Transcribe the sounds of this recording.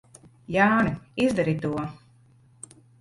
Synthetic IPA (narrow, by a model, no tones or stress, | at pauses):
jaːniizd̪aɾit̪uɔ